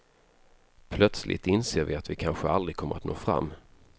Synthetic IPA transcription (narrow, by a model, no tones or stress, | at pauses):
pʰlœt̪slʔɪ̰t̪ɪnseːɾvɪat̪vɪkʰanɧəald̪ɾɪɡ̚kʰɔmːəɾat̪no̰ːfɾa̰mː